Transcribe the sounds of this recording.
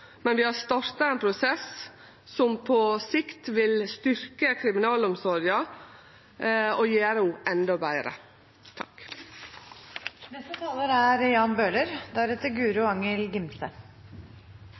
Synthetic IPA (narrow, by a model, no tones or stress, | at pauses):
mɛnʋɪhɑst̪ɑɾt̪ɑeːnpʰɾʊsɛs | sɔmpʰɔsɪkt̪ʋɪlst̪ʏɾkəkʰɾɪmɪnɑːlɔmsɔɾɪɑ | ɔjeːɾəuːʔɛnd̪ɔbæɪɾə̰ | t̪ʰɑk | nɛst̪ət̪ʰɑːləɾæɾjɑːnbøːɭəɾd̪æɾɛt̪əɡʉːɾʉɑŋəlɡɪmsə